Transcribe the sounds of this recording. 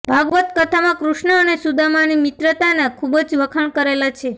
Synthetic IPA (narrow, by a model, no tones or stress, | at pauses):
bʱaɡʋət̪kət̪ʰamãkɾuʃɳəːnesud̪ʱamanimɪt̪ɾət̪anakʰubəd͡ʒʋəkʰəɳkəɾelat͡ʃʰe